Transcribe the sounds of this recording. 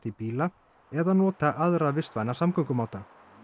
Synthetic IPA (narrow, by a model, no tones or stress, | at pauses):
t̪ipiːla | ɛðanɔːt̪aʔaðɾavɪst̪vaːjnasamkœkʏmaːwt̪a